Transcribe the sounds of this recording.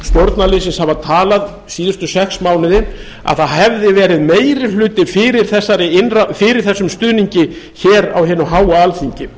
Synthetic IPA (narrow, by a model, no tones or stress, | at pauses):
st̪jowɾt̪nalɪːs̬ɪnshavat̪ʰaːlað | siːðʏst̪ʏsɛksmaːwnɪðɪ | a̰ðθaðɦɛvðɪvɛːɾɪðmeːjɾɪlʏːt̪ɪfɪːɾɪɾ̥θɛsːaɾɪɪnrafɪɾɪɾ̥θɛsːʏmst̪ʏːðniɲcɪçɛːɾawɦɛːnʏɦaːwaalθiɲcɪ